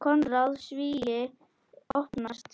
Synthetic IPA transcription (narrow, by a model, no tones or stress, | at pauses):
kʰɔnɾalsviːjɪ | ohpnast̪